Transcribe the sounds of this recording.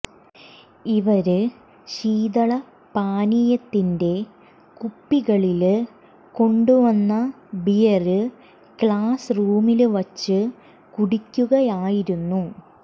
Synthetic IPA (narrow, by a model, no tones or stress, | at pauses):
iʋɐɾɨ | ɕiːd̪ɐɭɐ | paːnijɐt̪ːinde̞ | kupːiɣɐɭil | ko̞ɳɖuʋɐnːɐ | bijɐrɨ | kɭaːsruːmilʋɐt͡ɕːɨ | kuɽikʲːuɣɐjaːjiɾunːu